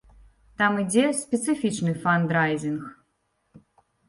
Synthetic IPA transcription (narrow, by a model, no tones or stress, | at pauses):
t̪amid͡zʲɛsʲpʲɛt̪sɨfʲit͡ʂnɨfand̪ɾajzʲinx